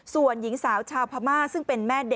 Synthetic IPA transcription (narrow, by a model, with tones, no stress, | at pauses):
su˨˩ənji˩˦ŋsaː˩˦wt͡ɕʰaː˧wpʰa˧maː˥˩sɯ˥˩ŋpe˧nmɛː˥˩de˨˩